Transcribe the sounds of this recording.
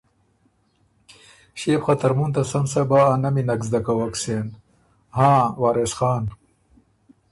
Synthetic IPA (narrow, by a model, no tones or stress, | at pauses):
ɕepxɐt̪ɐɾmunt̪ɐsɐmsɐbaːnɐminɐkzd̪ɐkɐwɐksen | hãːwaːɾesxɑːn